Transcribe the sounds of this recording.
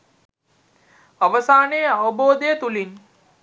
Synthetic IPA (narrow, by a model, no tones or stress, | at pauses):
ɐʋɐsaːneːɐʋɐboːd̪ejt̪ulin